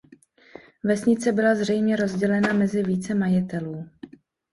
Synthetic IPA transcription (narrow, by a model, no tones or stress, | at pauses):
vɛsɲɪt͡sɛbɪlazr̝ɛjmɲɛɾo̞zɟɛlɛnamɛzɪviːt͡sɛmajɪt̪ɛluː